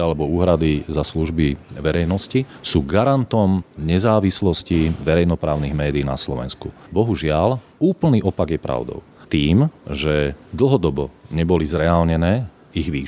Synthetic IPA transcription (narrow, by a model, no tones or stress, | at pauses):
alɛbɔuːɦɾad̪izasluʒbiʋɛɾɛjnɔscisuːɡaɾant̪ɔmɲɛzaːʋislɔsciʋɛɾɛjnɔpɾaːʊniɣmɛːd̪iːna̰slɔʋɛ̰nskubɔɦuʒɪal | uːpl̩niːʔɔpaɡjɛpɾʔa̰ʊd̪ɔ̰ʊt̪iːmʒɛd̪l̩ˠɦɔd̪ɔbɔɲɛbɔlizɾɛaːlɲɛnɛː | iɣʋiː